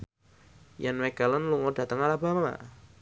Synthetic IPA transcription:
janwekalənluŋɔda̤t̪əŋalaba̤ma̰

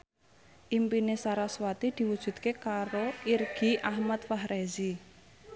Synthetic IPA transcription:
ʔimpinesaɾaswat̪id̪̥i̤wud̥ʒ̥ṳt̪̚kekaɾoirɡ̥i̤ʔahmat̪faɦɾezi

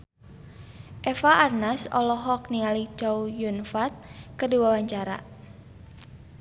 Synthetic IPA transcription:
ʔɛfaʔarnasɔ̰lɔɦɔk̚niŋalid͡ʒawjunfat̪̚kərdiwawaɲt͡ʃaɾa̰

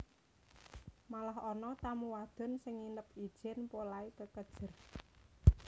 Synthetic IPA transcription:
malaɦɔnɔt̪amuwad̪̥ʊ̤nsɪŋinəp̚i̥ʒ̥ɛnpolaikəkəd̥ʒ̥ə̤r

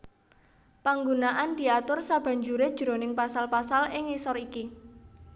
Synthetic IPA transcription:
paŋɡunaʔand̪̥i̤at̪ʊrsab̥a̤ɲd͡ʒuɾed̥ʒ̥ɾonɪŋpasalpasalɪŋisɔɾiki

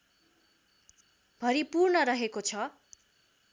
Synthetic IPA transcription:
b̥ʱʌɾipurnʌɾʌɦekot͡sʰʌ

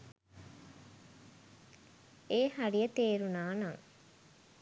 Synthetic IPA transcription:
eːhaɾijət̪eːɾunaːnɐŋ

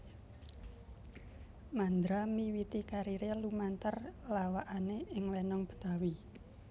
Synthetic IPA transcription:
mand̪ɾamiwit̪ikaɾiɾelumant̪ərlawaʔaneɪŋlɛnɔŋb̥ə̤̥t̪awi

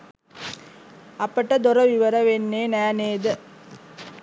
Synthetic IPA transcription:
ɐpəʈəd̪oɾəʋiʋəɾəʋenːeːnæːneːd̪ə

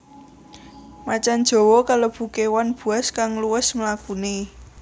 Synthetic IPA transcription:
mat͡ʃand̥ʒ̥o̤wokalob̥ṳkewanb̥ṳaskaŋluwɪsməlakune

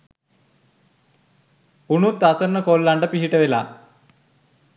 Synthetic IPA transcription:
unut̪ːasərnəkoːlːaɳɖəpiɦiʈəʋela̰ː

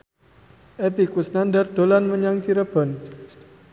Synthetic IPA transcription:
ʔep̪ikwusnandərd̪̥o̤lanməɲaŋt͡ʃiɾəb̥ɔ̤n

